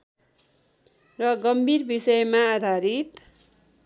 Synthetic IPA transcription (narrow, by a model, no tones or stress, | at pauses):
rʌɡʌmbʱirbisʌjmaːd̪ʱaɾit̪